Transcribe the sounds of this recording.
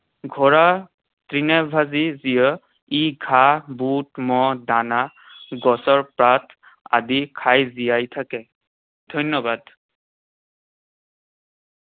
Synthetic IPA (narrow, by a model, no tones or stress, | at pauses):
ɡʱɔɹa | tɹinɛbʱazizijɔ | iɡʱabutmɔdana | ɡɔsɔɹpɹatʰ | a̰dikʰajzijajtʰakɛ | dʱɔjnɔbad